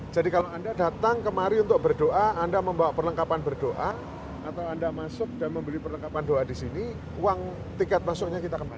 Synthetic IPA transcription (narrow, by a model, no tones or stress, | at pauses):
d͡ʒ̥adikalawandadat̪aŋkəmaɾiunt̪ʊk̚bərdoʔaandaməmbawapərləŋkapanbərdoʔa | at̪awandamasʊk̚danməmbəlipərləŋkapandoʔadisini | uwaŋ | t̪ikat̪̚masʊk̚ɲakit̪akəma